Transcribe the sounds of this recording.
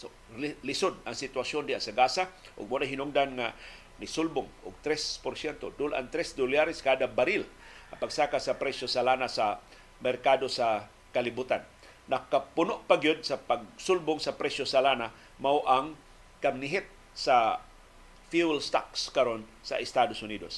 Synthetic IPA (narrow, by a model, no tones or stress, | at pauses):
so | lɪsʊd̪̚aŋsɪt̪wasjond̪ɪa̰ʔsaɡasa | ʔʊ̰ɡ̚munaɦinʊŋd̪anŋa | nɪsʊlbʊŋʔʊɡ̚t̪ɾɛspoɾsjɛnt̪od̪ʊlʔa̰ŋt̪ɾɛsd̪ʊljaɾɪskaːd̪abaɾɪlʔapaɡsaːkasapɾɛsosalanasa | mɛrkad̪osa | kalɪbut̪anː | akapʊnʊʔpaɡijod̪̚sapaɡ̚sʊlbʊŋsapɾɛsjosalana | mawʔaŋ | kamnɪɦɪt̪̚ | sa | fulst̪akskaɾon | sa̰ʔɪst̪ad̪osʊniːd̪os